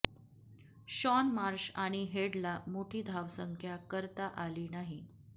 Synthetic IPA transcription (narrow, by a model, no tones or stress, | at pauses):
ɕɔnmaɾɕaɽ̃iɦeɽlamoʈʰiːd̪ʱaʋsəŋkʰjakəɾt̪aʔaliːnaɦi